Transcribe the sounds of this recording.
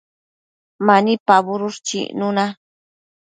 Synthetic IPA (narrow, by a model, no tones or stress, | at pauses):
manipabʊɾʊʂt͡ʃḭʔnʊna